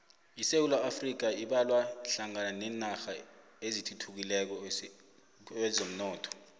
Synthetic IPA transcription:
isewulaafrik̬aiɓalwaɬaŋananɛːnaxa | ezitʰutʰuk̬ilɛk̬ɔ | ɛzom̩nɔːtʰɔ̥

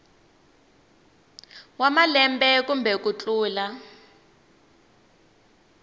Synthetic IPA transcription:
wamalɛmbɛkumbʱɛkut͡ɬʼuːla

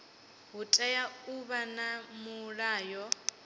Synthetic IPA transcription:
ɦutʼɛjauβanamuɺaːjɔ

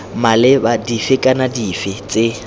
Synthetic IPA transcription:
malɪbadifɪkʼanadifɪt͡sʼɪ

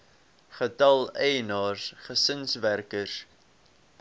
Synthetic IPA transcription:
χətɐlˠɛjnɑːsχəsənsværkəs

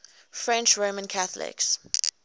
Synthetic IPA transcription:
fɹɛ̃nt͡ʃɹomə̃nkʰaθlɪ̰ks

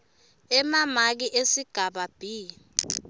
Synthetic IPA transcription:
ɛmamak̬iʔesiɡ̥ʱaɓab̥ʱiː

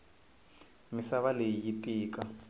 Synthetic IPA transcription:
misaβaleijitʼiːkʼa

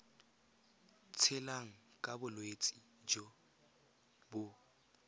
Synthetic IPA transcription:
t͡sʰɪlaŋ̩kʼabʊlwet͡sʼi | d͡ʒo | bʊ

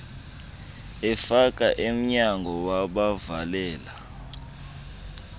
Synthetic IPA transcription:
ɛfak̬ʼaʔem̩ɲaŋɡʱɔwaɓavalɛːla

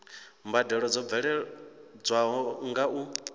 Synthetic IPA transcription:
mbadɛɺɔd͡zɔb̪vɛɺɛd͡zwaɦɔŋɡaʔu

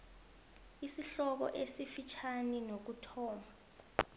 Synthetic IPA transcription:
isiɬɔk̬ɔ̰ʔesifit͡ʃʰaninok̬utʰɔːma

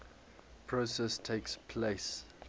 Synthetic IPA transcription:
pʰɹosɛstʰeɪkspʰleɪs

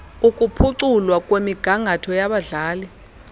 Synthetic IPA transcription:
ukʼupʰuǀulwakʼwemiɡ̥ʱaŋʱatʰɔjaɓaɮaːli

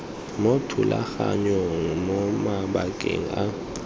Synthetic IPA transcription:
motʰulaxaɲɔŋmɔmaɓakʼeŋ̩a

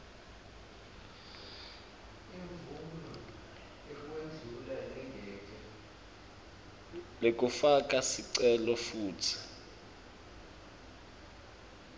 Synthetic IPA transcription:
iɱvumlu | iwend͡zʱulalɛŋɡʱɛːtʼɛ | lek̬ʼufak̬ʼasiǀɛlɔfuːtʰi̥

